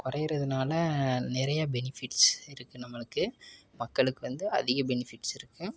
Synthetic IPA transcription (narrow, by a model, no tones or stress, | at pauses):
kʊɾɐjɾɐðɯnaːlɐnɪɾɐjabɛnɪfɪʈsɪɾɯkːɯnɐmːɐɭɯkːɯmɐkːɐɭɯkːɯʋɐnd̪ɯɐ̰ðɪɣɐbɛnɪfɪʈːsɪɾɯkːɯ